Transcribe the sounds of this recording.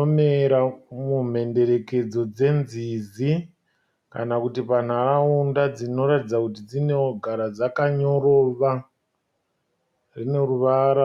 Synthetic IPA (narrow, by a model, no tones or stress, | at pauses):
omeɾamum̤e̞nde̞ɾe̞ke̞d͡zo̞d͡ze̞nzizi | kanakutipan̤araundad͡zino̞ɾatid͡zakutid͡zine̞oɡʱaɾad͡zakaɲo̞ro̞ːʋa | rine̞ruʋaːɾa